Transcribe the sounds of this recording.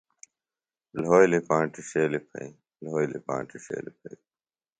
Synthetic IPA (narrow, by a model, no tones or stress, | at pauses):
lɦoːjlipãːʈiɕeːlipʰɐ̰i | lɦoːjlḭpã̰ːɳʈiʂḛːlipʰɐi